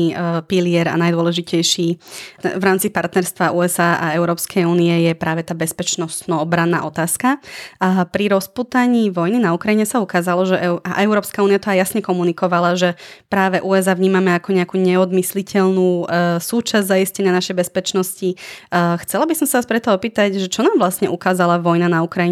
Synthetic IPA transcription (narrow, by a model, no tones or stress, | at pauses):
piliɛɾa̰najd̪ʊɔlɛʒicɛjʃi | vɾaːmt͡sipaɾt̪nɛɾst̪ʋauːɛzaːʔa̰ɛʊɾɔːpskʰɛjuːniɛjɛpɾaːʋɛt̪aːbɛspɛt͡ʃnɔst̪nɔɔbɾanːa̰ːʔɔt̪aːska | pɾiɾɔspuːt̪aɲiʋɔjninaukɾajiɲɛsaukaːzalɔʒɛʔɛaʔɛʊɾɔːpskauːnijat̪ɔajasɲɛkɔmunikɔʋalaʒɛpɾaːʋɛʔuɛzaːʋɲiːmamɛakɔɲɛakuːɲɛɔd̪mislicʰɛʎnuːsuːt͡ʃazɟʲzaiscɛɲɪanaʃɛjbɛspɛt͡ʃnɔscixt͡sɛlabisɔmsaaspɾɛt̪ɔɔpiːt̪aɟʒɛt͡ʃɔnaːmʋlasɲɛʔukaːzalaʋɔjnanaukɾajiɲɛ